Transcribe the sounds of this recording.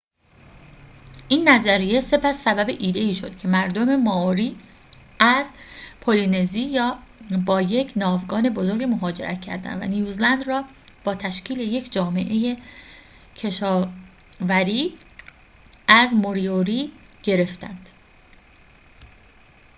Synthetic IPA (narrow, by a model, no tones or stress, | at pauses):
ʔiːnːæzæɾijese̞pʰæsːæbæbe̞ʔiːd̪e̞iːʃo̞d̪̥cʰe̞mæɾd̪o̞me̞mɒːɾiː | ʔæzpʰoline̞ziːjɒːbɒːje̞cʰnɒːvɡɒːne̞bo̞zo̞ɾɡemo̞ɦɒːd͡ʒe̞̰ɾʔæ̰t̪ʰcʰæ̰ɾd̪æ̰nvæ̰nijuːzlænd̪rɒː | b̥ɒːt̪ʰæʃcʰiːle̞je̞cʰd͡ʒɒːme̞̰ʔe̞je | cʰe̞ʃɒːvæɾiː | ʔæzmoɾioɾiːɟ̥e̞ɾe̞ft̪ænd̪̥